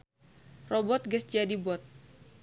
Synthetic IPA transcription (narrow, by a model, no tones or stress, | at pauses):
rɔbɔt̪̚ɡəsd͡ʒadibɔt̪̚